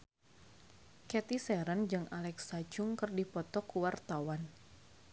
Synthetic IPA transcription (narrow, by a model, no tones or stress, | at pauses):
kɛt̪isɛɾənd͡ʒɨŋalɛksad͡ʒʊŋkɨrdipɔt̪ɔkuwart̪awan